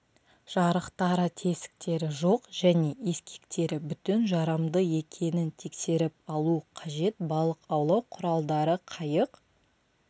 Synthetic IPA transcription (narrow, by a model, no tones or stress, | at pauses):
ʒ̥ɑɾəqt̪ɑɾət̪ʰe̞sɪ̥k̚t̪e̞ɾɪʒo̞qʒ̥æne̞eskʲʰe̥kt̪e̞ɾɪbʏt̪ɪnʒɑɾɑmd̪əe̞kʲʰe̞nɪnt̪ʰe̞kse̞ɾɪp̚ɑlˠuqʰɑʒe̞t̪̚bɑlˠəqɑwlˠɑwqʰʊɾɑlˠd̪ɑɾəqʰɑjəq